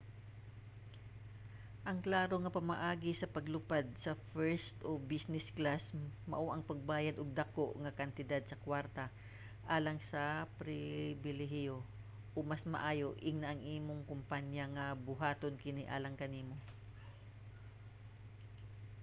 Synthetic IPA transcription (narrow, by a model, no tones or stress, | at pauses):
ʔɐŋklaːɾo̞ŋɐpɐmaʔaːɡɪsɐpɐɡlʊpad̪̚sɐfɛɹst̪ʔobisnɛsklasmɐ̰ʔoʔɐŋpɐɡ̚baːjɐd̪ʔoɡ̚d̪ɐko̞ʔŋɐkɐnt̪ɪd̪ad̪̚sɐkwaɾt̪ɐ | ʔaːlɐŋsɐpɾɪbɪlɛɦjo | ʔomasmɐ̰ʔaːjo̞ʔɪŋnaʔɐŋʔiːmoŋkʊmpaɲjaŋɐbʊɦaːt̪onkɪniʔa̰ːlɐŋkɐniːmo̞